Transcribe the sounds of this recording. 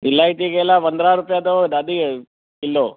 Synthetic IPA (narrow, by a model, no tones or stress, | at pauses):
ilːaːjiʈ̪iɡelaʋɐnd̪ɾaːɾupjaːd̪od̪ɐd̪i | ilːo